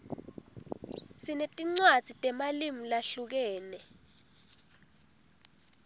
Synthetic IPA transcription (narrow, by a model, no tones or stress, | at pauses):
sinetʼiŋ͡ǀwḁz̥ʱitʼɛmalimulaɬuk̬ɛːnɛ